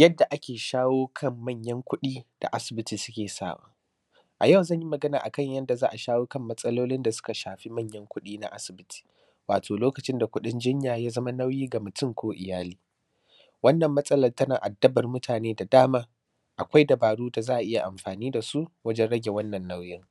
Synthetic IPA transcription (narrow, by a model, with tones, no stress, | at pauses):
jɐ˦dːa˨ʔa˦kʲeː˨ʃaː˦woː˦kʰɐ˦˨mːɐ˦˨ɲjɐ˦ŋkʷʊ˦ɗiː˦d̥a̰˨ʔa˦sɪ˨bɪ˦tiː˨sʊ̥˦kʲeː˨sa̰ː˦˨wa̰ː˨˦ | ʔa˨jɐ˦˨wzɐ˦ɲji˦mɐ˨ɡɐ˦naː˨ʔa˨kɐ˦ɲjɐ˦nda˨zaː˦ʔa˨ʃaː˦woː˦kɐ˦˨mːɐ˦sʼɐ˦loː˦lɪ˦nda˨sʊ̥˦ka˨ʃaː˨ɸi˦mɐ˦˨ɲjɐ˦ŋkʷʊ˦ɗiː˦na̰˦ʔa˦sɪ˨bɪ˦tʰi̥ː˨ | waː˨tʰoː˨loː˦kɐ˨t͡ʃɪ˦nda˨kʷʊ˦ɗɪ˦nd͡ʒɪ˦ɲjaː˨jaː˦zɐ˦ma˦na˦wjiː˦ɡa˨mʊ˨tʊ˦ŋkʷoː˦ʔɪ˨jaː˦liː˨ | wɐ˦nːɐ˨mːɐ˦sʼɐ˦lɐ˨rtɐ˦naː˨ʔa˨dːɐ˦bɐ˨rmʊ˦tʰaː˨neː˦da˨daː˦maː˦ | ʔa˨kʷa˦jdɐ˨baː˨ɽuː˦da˨zaː˦ʔa˨ʔɪ˦ja˨ʔa˨mɸaː˨niː˦da˨su˦wɐ˦d͡ʒɛ˦nɽɐ˦ɡʲe˨wɐ˦nːɐ˨nːa˦wjɪ˦ŋ